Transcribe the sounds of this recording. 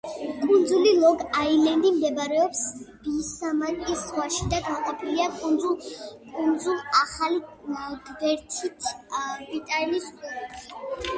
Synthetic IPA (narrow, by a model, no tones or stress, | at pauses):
kʼund̪zulilˠɔɡailɛnd̪imd̪ɛbaɾɛɔpsb̥iːsamat̪ʼiszʁwaʃid̪aɡalˠqʼapʼiɾiakʼund̪zukʼund̪zulˠaχali | ɡvɛɾt̪ʰit̪ʰbɾit̪ʼaniskʰʼuɾɛpi̥